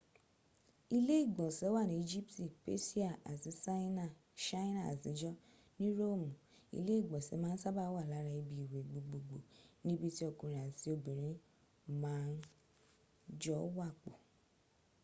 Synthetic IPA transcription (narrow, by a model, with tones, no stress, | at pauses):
i˧le˦i˦˨ɡ͡bɔ̃˨sɛ˨˦wa˦˨nĩ˨˦i˧d͡ʒi˦pti˦˨pḛ˦si˦a˦˨a̰˨ti˨˦sa˦na˦˨ | ʃa˦i˦na˦˨a̰˨tĩ˨˦d͡ʒɔ˦ | nĩ˦ɾo˦˨mũ˨ | ḭ˧le˦i˦˨ɡ͡bɔ̃˨sɛ˨˦mãː˦n̩˦sa˦ba˦wa˦˨la˨˦ɾa˧i˧bi˧i˨we˨ɡ͡bo˨ɡ͡bo˨ɡ͡bo˨nĩ˦bi˧ti˦ɔ˧˨kũ˧˨ɾĩ˨a˨si˨˦o˧bĩ˨ɾ̃ĩ˨˦ | mãː˦n̩˦ | d͡ʒɔ˦wa˦˨k͡po˨